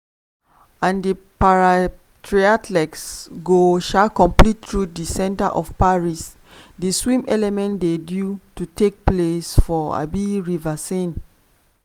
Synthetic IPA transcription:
ãndəpaɹa | tʰɹiatʰlɛksɡoʃakɔ̃mplittɹudisɛ̃ntaʔɔfpaɹis | diswĩmɛlɛmɛ̃ntdedjututek̚plesfɔa̰biɹivasẽn

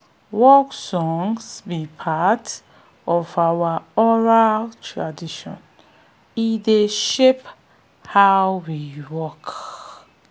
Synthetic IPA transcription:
wɔksɔ̃ŋsbipʰat | ɔvawaɔɹaltʰɹadiʃɔ̰̃n | ideʃep | haʊwiwɔk

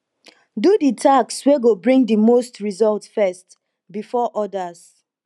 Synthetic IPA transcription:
duditʰaksweɡobɹĩŋdimostɹizɔltfɛst | bifɔʔɔdas

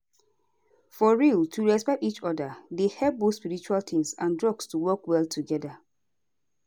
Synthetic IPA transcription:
fɔɹiltʰuɹɛspɛtit͡ʃɔdədehɛlp̚bospiɹit͡ʃualt̪ʰĩŋsãndɹɔɡstuwɜkwɛltʰuɡɛda

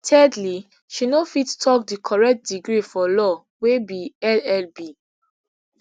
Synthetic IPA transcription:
tʰɛdli | ʃinofittʰɔkdikʰɔɹɛk̚t̚diɡɹifɔlɔ | webiɛlɛlbi

